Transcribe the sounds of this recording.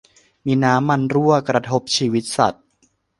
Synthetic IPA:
miː˧naː˦˥mːa˧nɾu˥˩ɐkɾa˧t̪ʰo˦˥p̚t͡ɕʰiː˧wi˦˥t̪̚sa̰˨˩t̪̚

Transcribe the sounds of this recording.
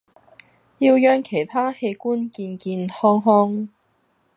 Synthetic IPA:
jiː˧wjœː˧ŋkʰe˨˩jt̪ʰaː˥he˧jkuː˥nkiː˧nkiː˧nhɔː˥ŋɦɔː˥ŋ

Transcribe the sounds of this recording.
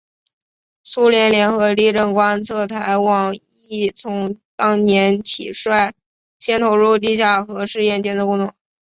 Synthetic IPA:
su˥ljɛ˧˥nljɛ˧˥nxɤ˧˥li˥˧ʈ͡ʂə˥˩nkwa˥nt͡sʰɤ˥˩t̪ʰa˧˥ɪwɑ˨˩ŋ | i˥˩t͡sʰʊ˧˥ŋt̪ɑ˥ŋnjɛ˧˥nt͡ɕʰḭ˨˩ʂwa˥˩ɪ | ɕjɛ˥nt̪ʰo˧˥ʊɻu˥˧t̪i˥˧ɕja˥˩xɤ˧˥ʂɻ̩˥˧jɛ˥˩nt͡ɕjɛ˥nd̪ə˨kʊ˥˧ŋt̪ʰʊ˧˩˦ŋ

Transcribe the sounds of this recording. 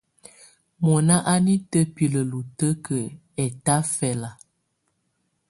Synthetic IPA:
mɔ˨na˦ʔa˦ni˦tə˦pi˨lə˨lu˨tə˦kʰə˨ | ɛ˨ta˦fɛ˨la˨

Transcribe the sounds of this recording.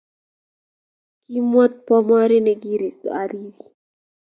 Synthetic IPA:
ki˦mɔ˦t̪̚pɔ˦mɔ˦ɾi˦nɛ˨ɡi˦ɾi˨st̪ɔ̰˨a˨ɾili

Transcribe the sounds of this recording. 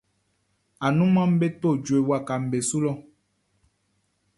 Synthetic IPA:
a˨nũ˦mã˦m̩˦be˦t̪o˦˨d͡ʒo˨e˨wa˨ka˨m̩˨be˨su˦lɔ˦

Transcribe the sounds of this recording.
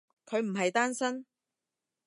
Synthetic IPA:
kʰɵ˨˧ɥm̩˨˩ɦɐ˨jt̪aː˥nsɐ˥n

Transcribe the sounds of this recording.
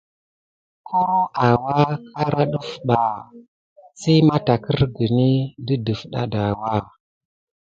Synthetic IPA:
kʰo˦a˨wa˦kʰa˦ɾa˦ɗu˦fɓa˨ | sa˦ma˦ta˨kə˦ɾɡə˨ni˦də˦du˨fɗa̰˦da˨wa˦

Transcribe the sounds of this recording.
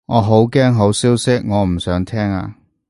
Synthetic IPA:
ŋɔː˨˧ɦo˨˥wkɛː˥ŋɦo˨˥wsiː˥wsɪ˥k̚ŋɔː˨˧m̩˨˩sœː˨˥ŋt̪ʰɛː˥ŋa̰ː˧

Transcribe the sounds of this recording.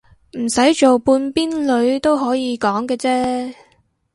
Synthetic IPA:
m̩˨˩sɐ˨˥jt͡ʃo˨wpuː˧npiː˥nlɵ˨˧ɥt̪o˥wɦɔː˨˥jiː˨˧kɔː˨˥ŋkɛː˧t͡sɛː˥

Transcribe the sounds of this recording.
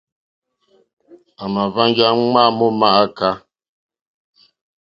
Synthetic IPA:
a˨ma˨va˦ŋ˦ɡja˦ŋ͡ma˦mɔ˦ma˦˨a˦ka˦

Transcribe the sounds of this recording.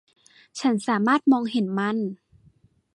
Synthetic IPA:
t͡ɕʰa˦˥nsaː˩˦maː˥˩t̪̚mɔː˧ŋhe˩˦nma˥˩n

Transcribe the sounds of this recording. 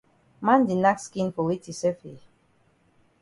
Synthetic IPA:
mã˦ndi˨na˦kskĩ˦nfo˨wi˦ti˨sɛ˦fe˨

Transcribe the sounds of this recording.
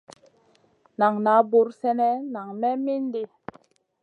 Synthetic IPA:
na˨ŋna˨˦bu˨ɾsɛ˦nɛ˦na˨ŋmɛ˦mi˦ndi˦

